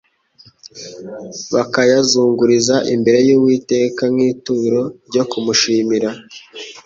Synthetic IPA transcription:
βakajazuːŋɡuɾizaʔimbe̞ɾe̞juːwiːte̞ːkanŋiːtuːɾo̞ɾɟo̞kumuʃiːmiɾa

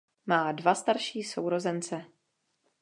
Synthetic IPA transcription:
maːdvast̪aɾʃiːsowɾo̞zɛnt͡sɛ

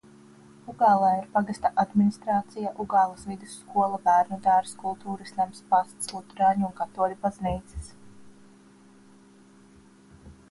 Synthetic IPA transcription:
uɡaːlˠaːiɾpaɡast̪aʔad̪minist̪ɾaːt̪sijaʔuɡaːlˠasvid̪ɪsːkuɔlˠabæːɾnud̪aːɾskulˠt̪uːɾisʲlʲamspast̪slˠut̪ɾaːɲunŋkat̪uɔlʲubazniːt̪si̥s

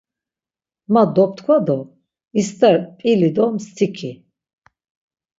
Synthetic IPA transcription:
mad̪ɔp̚t̪ʰkʰwad̪ɔ | ist̪ʰʼɛɾpʼilid̪ɔmst̪ʰikʰi

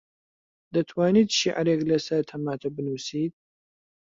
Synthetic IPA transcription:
d̪ɐt̪ʰwaːniːt̪ʃiʔaɾeklɐsɐɾt̪ʰɐmaːt̪ʰɐbɨnuːsiːt̪̚

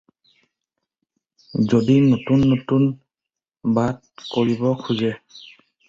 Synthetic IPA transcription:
zodinotunːotun | bad̚ | koɹibɔkʰuzɛ

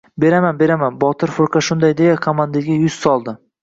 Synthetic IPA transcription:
be̞ɾamanbe̞ɾamanbɒt̪ʰɪɾfʊɾqʰɑʃʊnd̪ajd̪ejakʰomand̪aɡʲajʊz̥sɒlˠd̪ɪ

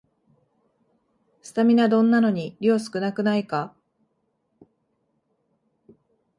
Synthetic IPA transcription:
sɨ̥t̪amʲinad̪õ̞nːano̞ɲ̟iɾʲoːsɨ̥kɯ̟nakɯ̟naika

